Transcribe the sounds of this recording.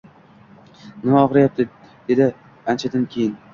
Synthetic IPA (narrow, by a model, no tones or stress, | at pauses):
nɪmaɒʁɾajap̚t̪ʰɪ | d̪̥e̞d̪ɪ | ant͡ʃʰad̪ankʲʰejɪn